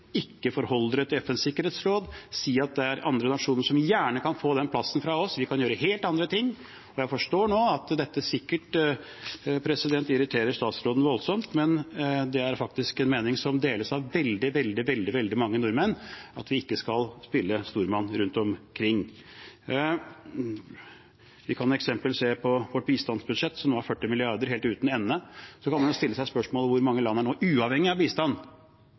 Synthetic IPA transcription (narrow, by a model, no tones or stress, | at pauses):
ɪkːəfɔɾhɔləɾət̪ʰɪlɛfɛnsɪkːəɾeːt̪sɾoːd̪siːɑt̪̚d̪ɛæɾɑ̰nd̪ɾənɑʂuːnəʂɔmjæːɳəkʰɑnfoːd̪ɛnpʰlɑsːən̩fɾɑɔsʋɪkʰɑnjøːɾəɦeːlt̪ɑnd̪ɾət̪ʰɪŋː | ɔjæɪfɔʂʈoːɳoːɑt̪d̪ɛt̪ːəsɪkːəʈ | pʰɾɛsɪd̪ɛnt̪ɪɾɪt̪ʰeːɾəʂt̪ɑːt̪sɾoːd̪n̩ʋɔlsɔmt̪mɛnd̪ɛæɾfɑk̚t̪ɪskɛnmeːnɪŋsɔmd̪eːləsɑʋʋɛld̪ɪʋɛld̪ɪʋɛld̪ɪʋɛld̪ɪmɑŋːənʊɾmənɑt̪ʋɪɪkːəskɑlspɪlːəst̪uːɾmɑnɾʉnt̪ɔmkʰɾɪŋː | ʋɪkʰɑnɛksɛmpəlseːpʰɔʋɔʈ̚biːst̪ɑnsbʉd̪ʂɛt̪ːsɔmoːæɾfœʈːɪmɪlɪɑɾɖ̪əɾheːlʉːt̪nɛnːəsɔkʰɑnmɑnjʊːst̪ɪlːəsæɪspœʂmoːlʋʊɾmɑŋːəlɑnːæɳoːʔʉːɑʋhɛŋːɪɑʋbiːst̪ɑnː